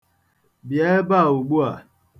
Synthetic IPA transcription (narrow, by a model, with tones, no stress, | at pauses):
bjɛ˨˦ba˦˨u˨ɡ͡bu˦a˨